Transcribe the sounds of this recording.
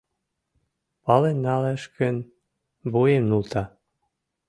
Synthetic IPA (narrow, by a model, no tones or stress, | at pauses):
pɑlenːɑleʃkən | bujemnult̪ɑ